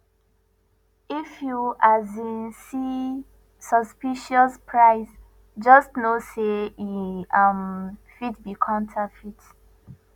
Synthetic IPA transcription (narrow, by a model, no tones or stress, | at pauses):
ifjuʔazĩnsi | sɔspiʃɔspʰɹaɪs | d͡ʒɔstnoseiamfitbikʰɔ̃ntʰafit